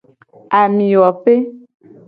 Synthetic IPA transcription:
a˨mĩ˨wɔ˨ɸe˦

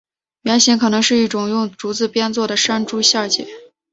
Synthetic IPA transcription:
mjɛ˧˥nɕɛ˧˥nkʰɤ˨˩nɤ˧˥ŋʂɻ̩˥˧i˥˩ʈ͡ʂʊ˨˩ŋjʊ˥˩ŋʈ͡ʂu˧˥t͡sɹ̩˥˩pjɛ˥nt͡swɔ˥˩d̪ə˩ʂa˥nʈ͡ʂu˥ɕja˥˧t͡ɕjɛ̰˨˩˦

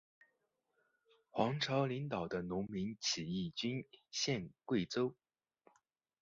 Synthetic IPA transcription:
xwɑ˧˥ŋʈ͡ʂʰɑ˧˥ʊli˧˥ŋt̪ɑ˨˩ʊd̪ə˦nʊ˧˥ŋmi˧˥nt͡ɕʰi˨˩i˥˩t͡ɕy˥nɕjɛ˥˧nkwe˥˩ɪt͡so˥ʊ

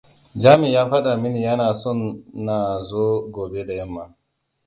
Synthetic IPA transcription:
d͡ʒaː˦mɪ˨jaː˦ɸɐ˦ɗa˨mɪ˦ni˨jɐ˦naː˨sɔ˦˨nːaː˨zoː˦ɡoː˨be˦da˨jɐ˦mːa˦

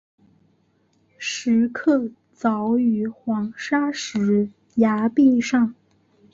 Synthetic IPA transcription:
ʂɻ̩˧˥kʰɤ˥˩ | t͡sɑ˧˥ʊy˧˥xwɑ˧˥ŋʂa˥ʂɻ̩˧˥ | ja˧˥pi˥˧ʂɑ˥˩ŋ

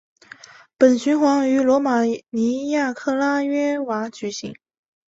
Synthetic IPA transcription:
pə˨˩nɕy˧˥nxwɑ˧˥ŋy˧˥lwɔ˧˥ma˨˩ni˧˥ja˥˩˧kʰɤ˥˩la˥ɥɛ˥wa˧˥t͡ɕy˨˩ɕḭ˧˥ŋ

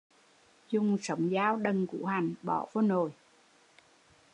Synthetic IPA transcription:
zʊ˨˩ŋ͡msə˨˦wŋ͡mzaː˧˦wɗə˨˩nkṵ˧˥ha˨˩jŋ̟ɓɔ̰˧˩vo˧˦no˨˩j

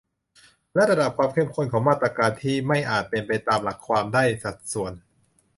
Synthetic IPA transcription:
lɛ˦˥ɾa˧da˨˩p̚kʰwaː˧mkʰe˥˩˨mkʰo˥˩nkʰɔː˩˦ŋmaː˥˩t̪ɾa˧kaː˧nt̪ʰiː˥˩ma˥˩jʔaː˨˩t̪̚pe˧npa˧jt̪aː˧mla˨˩kʰːwaː˧mdaː˥˩jsa˨˩t̪̚su˨˩˦ən

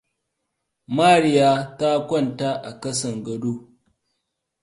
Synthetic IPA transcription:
maː˦˨ɽɪ˦jaː˦ta˦kʷɔ˦˨nta˦ʔa˨kɐ˦sɐ˨ŋɡɐ˨doː˦

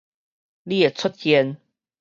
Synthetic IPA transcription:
li˦e˨˩t͡sʰʊ˦t̪̚kjɛ˧˦n

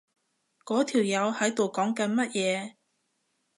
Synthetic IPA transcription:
kɔː˨˥t̪ʰiː˨˩wjɐ˨˧whɐ˨˥jt̪o˨wkɔː˨˥ŋkɐ˨˥nmɐ˥t̚jɛː˨˧

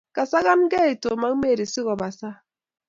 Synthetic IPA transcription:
ka˨sa˦ɣa˦nɡɛ˦i˨to˨ma˦me˦˨ɾi˨si˦ɣɔ˨ba˨sa˦

